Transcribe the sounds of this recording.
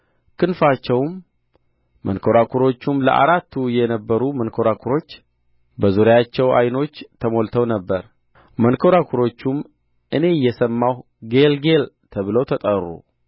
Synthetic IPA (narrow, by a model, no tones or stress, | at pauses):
kʰɨnfat͡ʃːɛwm | mənkʰo̞ɾakʰuɾo̞t͡ʃːumlə̰ʔa̰ɾat̪ʰːujɛnəbːəɾumənkʰo̞ɾakʰuɾo̞t͡ʃː | bəzuɾjat͡ʃːɛwa̰jno̞t͡ʃːt̪ʰəmo̞lt̪ʰəwnəbːəɾ | mənkʰo̞ɾakʰuɾo̞t͡ʃːum | ʔɨne̞jɛsəmːaw | ɡelɡe̞lt̪ʰəβɨləwt̪ʰət̪ʼərːṵ